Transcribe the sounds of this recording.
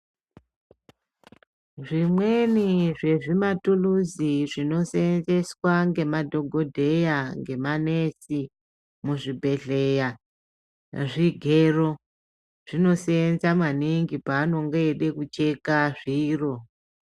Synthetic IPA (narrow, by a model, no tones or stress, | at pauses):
ʐimweniʐe̞ʐimatuluziʐino̞seenze̞swaŋɡe̞madʱo̞ɡʱo̞dʱe̞jaŋɡe̞mane̞si | muʐibʱe̞ɮe̞ja | ʐiɡʱeːro̞ | ʐ̥ino̞seenzamwaniŋɡipaːno̞ŋɡoeɗe̞kut͡ʃe̞kaʐiːro̞